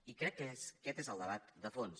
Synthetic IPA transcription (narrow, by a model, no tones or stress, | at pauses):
ikɾɛkːskɛt̪ezəlˠd̪əβat̪d̪əfons